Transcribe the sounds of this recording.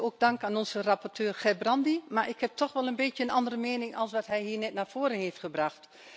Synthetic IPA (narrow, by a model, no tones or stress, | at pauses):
oːɡ̚dɑŋkaːnɔnzərapɔrtʰøːrxɛbrɑndimaɹʔɪkhɛp̚tʰɔχʋɛlənbeːtjənʔɑndərəmeːnɪŋɑlˠsʋɑtɦɛjɦiːɹnɛtnaːɹv̥oːɾənɦeːftχəbrɑxt